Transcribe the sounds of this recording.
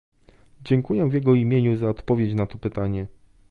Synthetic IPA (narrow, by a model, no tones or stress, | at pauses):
d͡ʑɛŋkujɛvʲjɛɡɔimʲjeɲuzaɔt̪pɔvʲjet͡ɕnat̪ɔpɘt̪aɲɛ